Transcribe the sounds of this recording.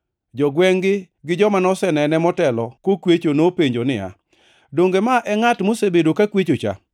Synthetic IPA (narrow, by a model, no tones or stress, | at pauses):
d͡ʒɔɡwɛŋɡɪ | ɡɪd͡ʒɔmanɔsɛnɛnɛmɔtɛlɔkokwet͡ʃonopeɲd͡ʒonɪ̰ja̰ | doŋɡemaʔɛŋatmosebedokakwet͡ʃot͡ʃa̰